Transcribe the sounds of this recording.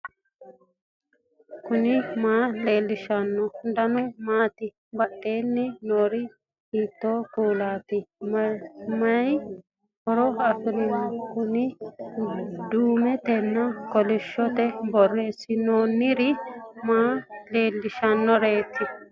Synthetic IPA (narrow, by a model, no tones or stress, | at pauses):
kʊnɪmaːleːlːɪʃɐnːɔd̪ɐnʊmaːt̪ɪ | bɐtːeːnːɪnoːɾɪ | hiːt̪ːoːkuːlaːt̪ɪmɐmɐj | hɔɾɔɐfɪɾɪwakʊnɪ | d̪uːmɛt̪ɛnːɐkɔlɪʃːɔt̪ɛbɔrːeːsɪnoːnːɪɾɪmaːleːlːɪʃɐnːɔɾeːt̪ʰːɪ